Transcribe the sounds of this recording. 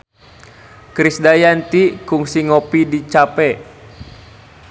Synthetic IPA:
kɾisdajant̪ikuŋsiŋɔpidit͡ʃapɛ

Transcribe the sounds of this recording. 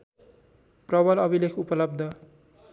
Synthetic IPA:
prʌβʌlʌbilekʰupʌlʌb̚d̪ʱʌ

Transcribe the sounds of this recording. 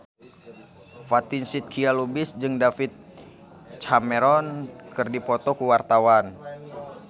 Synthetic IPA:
fat̪insit̪̚kʰialubɪsd͡ʒɨŋdafit̪̚ | t͡ʃamɛɾɔnkɨrdipɔt̪ɔkuwart̪awan

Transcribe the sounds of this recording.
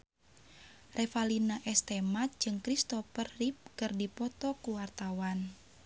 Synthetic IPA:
rʔɛfalinaʔɛst̪ɛmat̪̚d͡ʒɨŋkɾist̪ɔfərːip̚kɨrdipɔt̪ɔkuwart̪awan

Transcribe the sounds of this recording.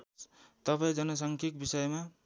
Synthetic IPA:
t̪ʌpaĩd͡zʌnʌs̬ʌŋkʰikbisʌjma

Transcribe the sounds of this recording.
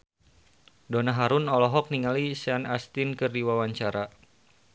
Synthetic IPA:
donaɦaɾunɔlɔɦɔk̚niŋalisanast̪inkɨrdiwawaɲt͡ʃaɾa

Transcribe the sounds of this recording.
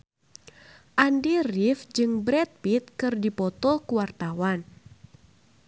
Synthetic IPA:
ʔandirifd͡ʒɨŋbɾɛt̪̚pit̪̚kɨrdipɔt̪ɔkuwart̪awan

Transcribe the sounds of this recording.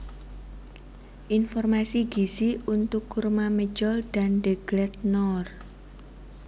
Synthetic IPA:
ʔinfɔrmasiɡ̥i̤siunt̪ʊkːurmaməd͡ʒɔld̥a̤nɖəɡ̥lɛt̪̚nɔr

